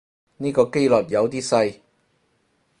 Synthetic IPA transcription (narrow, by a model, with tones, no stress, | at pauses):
niː˥kɔː˧ke˥jlɔ˨t̚jɐ˨˧wt̪iː˥sɐ˧j